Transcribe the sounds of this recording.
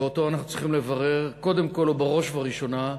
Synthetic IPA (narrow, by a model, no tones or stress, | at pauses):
eot̪o̞anaχnutt͡sʁiχimle̞vaʁe̞ʁko̞d̪emko̞lubaʁo̞ʃvaʁiʃo̞na